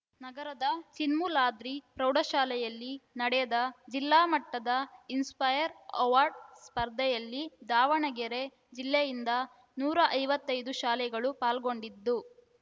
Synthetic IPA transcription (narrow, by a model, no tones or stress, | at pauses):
nɐɡɐɾɐd̪ɐt͡ʃinmulaːd̪ɾipɾɐwɖɐʃaːlɛjɐlːinɐɽɛjɐd̪ɐd͡ʒilːaːmɐʈːɐd̪ɐinspɐjɐɾɐ̰ʋaːɾɖspɐɾd̪ʱɐjɐlːid̪aːʋɐɳɐɡɛɾe̞ | d͡ʒilːɛjind̪ɐ | nuːɾɐʔɐjʋɐt̪ːɐjd̪uʃaːlɛɡɐɭupaːlɡo̞ɳɖid̪ːu